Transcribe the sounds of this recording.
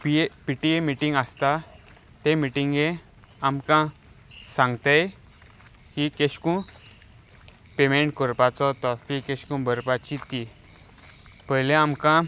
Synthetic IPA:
piepiʈiemiʈĩŋɡast̪a | t̪emiʈiŋɡẽ | amkã | sãŋɡt̪ej | kikeɕkũ | pemẽɳʈkəɾpat͡sɔt̪ɔkikeɕkũbʱəɾpat͡ɕit̪i | pəɦlẽamkã

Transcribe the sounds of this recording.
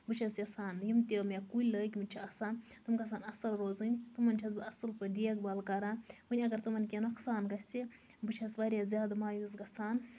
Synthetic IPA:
bɨt͡ʃʰɐsjɐsaːnjimt̪ʲemʲekuləkʲimɨnʲt͡ʃʰiɐsãːt̪ɨmɡɐs̬aːnɐsɐlɾoːzɨnʲt̪ɨmɐnt͡ʃʲʰɐs̬bɨɐsɨlpɨd̪iekbɐlkɐɾãːpɨnʲɐɡɐɾt̪ɨmɐnkʲenɐksaːnɡɐsʲt͡sʲi | bɨt͡ʃʰɐsʋaɾʲjazʲjaːd̪amaːjuzɡɐsaːn

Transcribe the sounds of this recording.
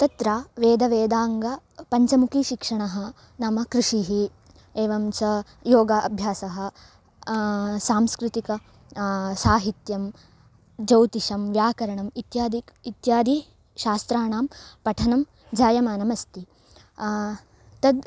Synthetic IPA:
t̪ɐt̪ɾaːʋeːd̪ɐʋeːd̪aːŋɡɐ | pɐɲt͡ʃɐmukʰiʃikʂɐɳɐɦɐ̆ | nɐmɐkɾiʂiɦi | eːʋɐmsɐ | joːɡɐʔɐbʱjaːsɐɦɐ̆ | saːmskɾɪt̪ikɐ | saːɦit̪jɐm | d͡ʒɐwt̪iʂɐmʋjaːkɐɾɐɳɐmit̪jaːd̪iit̪jaːd̪ʱi | ʃaːst̪ɾaːɳaːmpɐʈʰɐnɐm | d͡ʒaːjɐmaːnɐmɐst̪i | t̪ɐd̪

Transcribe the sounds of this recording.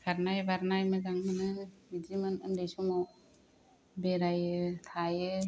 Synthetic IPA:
kʰaɾnajbaɾnajmɯɡaŋmɯnɯbid͡ʒimanɯndejsɔŋɔ | beɾajɯkʰajɯ

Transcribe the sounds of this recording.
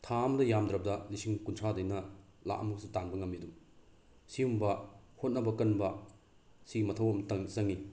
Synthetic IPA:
tʰamdɐjamdɾɐp̚dɐnisiŋkuntʰadɐjnɐla̰ʔɐmuksitanbɐŋɐmːiɐdum | siumbɐhot̚nɐbɐkɐnbɐ | siɡimɐtʰɐwɐmtɐŋzɐŋi

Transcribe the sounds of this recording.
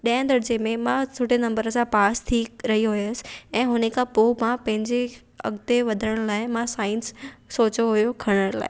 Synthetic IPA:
ɗijə̃nd̪ɐɽd͡ʑemẽmãt̪ʰʊʈenɐ̃mbəɾəsãpaːst̪ʰiːkɾɐɦiɦʊjəsɪ̥̆ɛ̃ːɦʊnekʰãpoːmãpɐ̃ɦɪ̃ɲd͡ʑe | ɐ̰ɡd̪eʋɐd̪ʱəɽ̃laːɪmãsaːɪnsːoːt͡ɕoɦʊjokʰɐɽ̃əɽ̃la̰ːɪ

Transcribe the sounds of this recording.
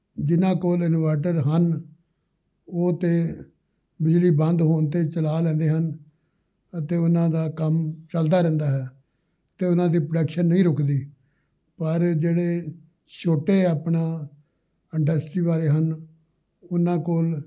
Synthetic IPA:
d͡ʒɪnãːkoːlɪnʋaːʈ̬əɾɦən | oːt̪eː | bɪd͡ʒliːbənd̪ɦoːnt̪eːt͡ʃəlaːlɛ̃ːnd̪eːɦən | ət̪eːʊnãːd̪aːkəmt͡ʃəld̪aːɾɛ̃ːnd̪aːɦɛː | ət̪eːʊnãːd̪iːpɾɖəkʃənːəĩːɾʊkʰd̪iː | pəɾd͡ʒeːɽeː | ʃoːʈeːaːpɳãː | ɪɳɖəsʈɾiːʋaːleːɦən | ʊnãːkoːl

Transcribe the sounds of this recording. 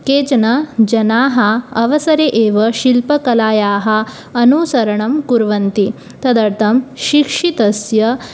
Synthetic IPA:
keːt͡ʃɐnɐd͡ʒɐnaːɦɐɐʋɐsɐɾeʔeːʋɐʃilpɐkɐlaːjaːɦɐ̆ | ɐnuːsɐɾɐɳɐmkuɾʋɐnt̪i | t̪ɐd̪ɐɾt̪ʰɐmʃikʂit̪ɐsjɐ

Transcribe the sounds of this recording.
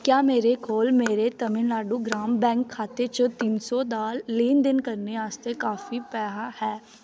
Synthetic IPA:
kjaːmeːɾekʰoːlmeːɾet̪əmɪnlaːɖuɡɾaːmbɛ̃ːŋkʰːaːt̪et͡ʃət̪iːnsɔd̪aːlːiːnd̪ɪnkəɾneaːst̪ekaːfipɛːɦahɛː

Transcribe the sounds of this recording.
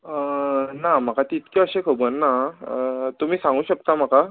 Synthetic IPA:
ənam̤akat̪it̪keəɕekʰobənːa | t̪um̤iːsãŋɡuːɕək̚t̪am̤aka

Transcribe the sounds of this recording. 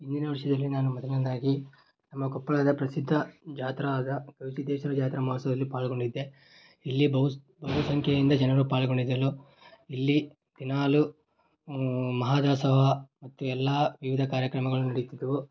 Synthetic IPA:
ind̪inɐʋɐɾʂɐd̪ɐlːinaːnumɐd̪ɐnɐd̪aːɡi | nɐmːɐkɔpːɐɭɐd̪ɐpɾɐsid̪ʱːɐd͡ʒaːt̪ɾaːd̪ɐɡɐʋsid̪ɛːʃɐɾɐd͡ʒaːt̪ɾɐmaːsɐd̪ɐlːipaːlɡo̞ɳɖid̪ːe | ilːibɐɦu | bɐɦusɐŋkʰjɐind̪ɐd͡ʒɛnɐɾupaːɭɡo̞ɳɖid̪ːɐlo | ilːi | d̪̥inaːlu | mɐɦaːd̪aːsɐɦɐmɐt̪ːuɛlːaːʋiʋid̪ʱɐkaːɾjɐkɾɐmɐɡɐɭunɐɽit̪id̪ɐʋu

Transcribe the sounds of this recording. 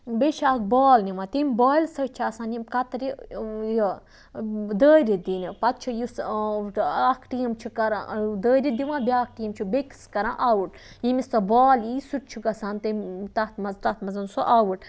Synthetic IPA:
beʃaːk̚bɔːlnimãt̪imʲbɔːilsɐt͡ʃʰasaːnimkɐt̪ɾiji | d̪əːɾid̪inipɐt̪̚t͡ʃʰijis | ɐkʰʈijimt͡ʃʰikɐɾã̰d̪əːɾʲid̪iʋãːbʲaːk̚ʈijimt͡ʃʰubekskɐɾãːʔawuʈ | jimisɐbɔːlisuʈ̚t͡ʃʰuɡɐsaːnt̪it̪ɐt̪mɐzt̪ɐt̪mɐzɐnsoʔawuʈ

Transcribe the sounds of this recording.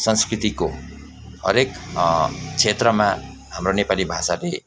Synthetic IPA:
sʌnskrit̪iko | hʌ̰ɾek | t͡sʰet̪rʌma | ɦamronepalibʱasale

